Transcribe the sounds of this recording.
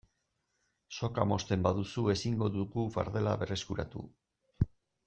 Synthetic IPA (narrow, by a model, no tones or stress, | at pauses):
so̞kamo̞st̪e̞mbaðusue̞siŋɡo̞ðuɣufa̰ɾðe̞la̰βe̞re̞skuɾa̰t̪ṵ